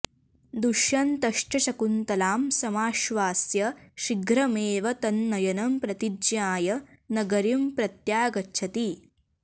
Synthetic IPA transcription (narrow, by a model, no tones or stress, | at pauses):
d̪uʃjɐnt̪ɐʂʈɐʃɐkunt̪ɐlaːmsɐmaːʃʋaːsjɐʃiɡɾɐmeːʋɐt̪ɐnːɐjɐnɐmpɾɐt̪id͡ʒjaːjɐnɐɡɐɾimpɾɐt̪jaːɡɐtːt͡ʃʰɐt̪i